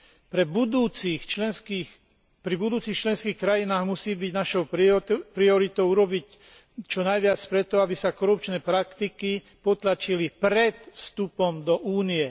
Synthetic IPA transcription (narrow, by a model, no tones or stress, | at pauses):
pɾɛbud̪uːt͡sixki | pɾibud̪uːt͡siːxt͡ʃlɛnskiːxkɾajinaːɣmusiːbiɟnaʃɔʊpɾiɔɾit̪ɔʊuɾɔbic | t͡ʃɔnajʋɪat͡spɾɛt̪ɔabisakɔɾupt͡ʃnɛːpɾakt̪iki | pɔt̪lat͡ʃilipɾɛt̪fst̪upɔmd̪ɔʔuːniɛ